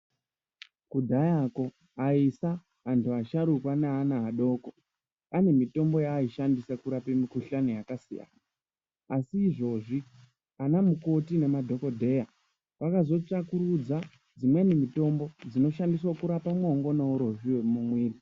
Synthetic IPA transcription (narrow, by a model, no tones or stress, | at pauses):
kudʱajako̞ | aisa | antuaʃaɾukwaneːnaɦaɗo̞ːko | ane̞mito̞mbo̞jaːiʃandisakuɾapemikuɬanojakasḭja̰na | asiːʐo̞ːʐi | anamuko̞tine̞madʱo̞ko̞dʱe̞ja | pakazo̞t͡ʂakuɾud͡za | d͡zimwenemito̞mbo̞d͡zino̞ʃandis̬wakuɾapamwoŋɡo̞nauɾo̞ʐiwemumwiːri